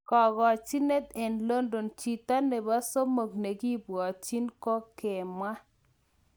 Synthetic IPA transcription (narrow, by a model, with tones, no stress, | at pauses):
kɔ˨ɣɔ˨t͡ʃi˦ne˦t̪e˨nlo˦ndo˨nt͡ʃi˨t̪a˦ne˨ba˦so˦mo˨ɡne˨ɡi˦bwɔ˨t͡ʃi˦nkɔ˦ke˨ma˦